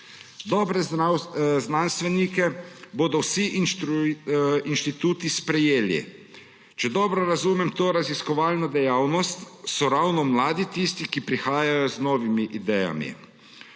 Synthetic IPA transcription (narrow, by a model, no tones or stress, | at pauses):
d̪ɔːbɾɛ | znanst̪ʋɛnikɛboːd̪ɔwsiʔ | inʃt̪it̪uːt̪ispɾɛjeːlḭ | t͡ʃɛd̪ɔːbɾɔɾazumɛmt̪oːɾaziskɔʋaːlnɔd̪ɛjawnɔst̪sɔɾawnɔmlaːd̪it̪ist̪ikipɾixaːjajɔznɔːʋimiʔid̪ɛja̰mḭ